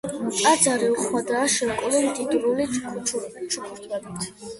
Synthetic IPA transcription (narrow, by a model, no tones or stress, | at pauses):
azaɾiuχwad̪aːʃɛmkʼlind̪id̪ɾulit͡ʃʰʼkʰut͡ʃʰuɾt͡ʃʰukʰuɾt̪ʰʼwɛlit̪ʰ